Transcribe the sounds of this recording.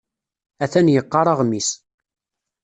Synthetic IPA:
æθænjəqːɑɾˤɑʁmis

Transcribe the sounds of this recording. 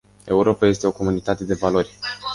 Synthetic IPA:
e̞uɾo̞paje̞st̪e̞o̞ko̞munit̪at̪e̞d̪e̞valo̞rʲ

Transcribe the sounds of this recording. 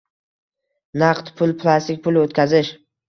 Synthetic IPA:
naqt̪pʰʊlˠpʰlˠast̪ɪk̚ʲpʰʊlot̪kʲazɪʃ

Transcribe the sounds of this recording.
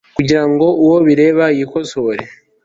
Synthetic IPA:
kuɟiɾaŋɡo̞uwoβiɾe̞ːβajikosoɾḛ

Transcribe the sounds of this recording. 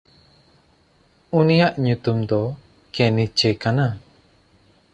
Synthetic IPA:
unijaʔɲut̪umd̪ɔ | kɛnit͡ʃɛkana

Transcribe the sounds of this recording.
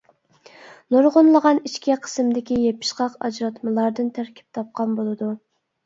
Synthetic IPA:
noɾʁʊnlˠəʁɑnit͡ʃkʲiqʰə̥smd̪ɪkʲijepʰɪ̥ʃqɑqɑ̰d͡ʒɾɑt̪mɨlˠɑɾd̪ɨnt̪ʰæɾkʲʰi̥p̚t̪ʰɑp̚qʰɑnbolˠɨd̪u

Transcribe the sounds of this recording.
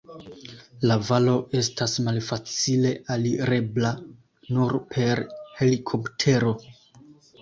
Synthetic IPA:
lavalo̞ʔe̞stasmalfat͡sile̞ʔaliɾe̞bla | nuɾpʰe̞ɾhe̞likʰo̞ptʰe̞ɾo̞

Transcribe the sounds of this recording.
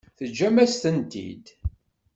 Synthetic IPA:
θəd͡ʒːæmæst̪ənt̪ḭd̪

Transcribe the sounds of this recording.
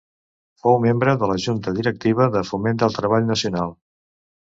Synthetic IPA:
fowmembɾəðələʒunt̪əðiɾək̚t̪iβ̞əðəfumend̪əlˠt̪ɾəβ̞aʎnəsiunalˠ

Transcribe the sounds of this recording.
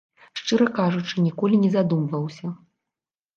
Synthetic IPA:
ʂt͡ʂɨɾɐkaʐut͡ʂɨnʲikɔlʲinʲɛzad̪umvɐwsʲɐ

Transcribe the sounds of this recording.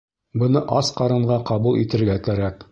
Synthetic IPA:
bɤ̆nɤʔɑsqɑɾɤ̆ɴɢɑqɑbulˠʔit̪ɘ̆ɾɡækæɾæk

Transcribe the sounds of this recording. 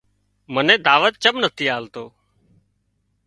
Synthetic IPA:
mənẽːd̪aːʋət̪̚t͡ʃəmnət̪ʰiːaːlt̪oː

